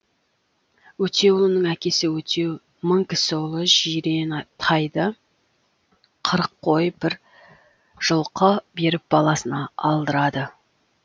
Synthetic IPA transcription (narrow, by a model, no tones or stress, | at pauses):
wɵt̪ʰe̞wʊlˠənəɴækʲe̞sɪwɵt̪ʰe̞ | məɴkʲʰɪ̥sɪlˠəʒijɾe̞nɑt̪ʰɑjd̪ə | qʰəɾəqʰːo̞jb̥ɪɾ | ʒ̥əlˠqəbe̞ɾɪp̚b̥ɑlˠɑsənɑɑlˠd̪əɾɑd̪ə